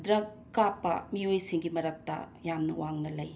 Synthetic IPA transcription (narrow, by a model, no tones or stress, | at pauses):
dɾɐkːapːɐ̰miojsiŋɡimɐɾɐk̚tɐ̰ | jamnɐwaŋnɐlɐj